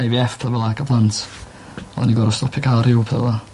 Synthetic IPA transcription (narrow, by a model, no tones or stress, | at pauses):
ajviɛfpʰɛvɛlˠakəbʰlˠantʰ | ɔ̰niɡɔɾɔstɔpʰikʰarɪwpʰrɛ̰vɔ